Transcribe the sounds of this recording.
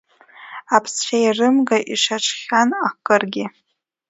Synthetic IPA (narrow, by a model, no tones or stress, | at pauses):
apʰst͡ʃʷʰajrɨmɡaʔiʂaʈ͡ʂʰʼχʲanakʼɨrɡʲɪ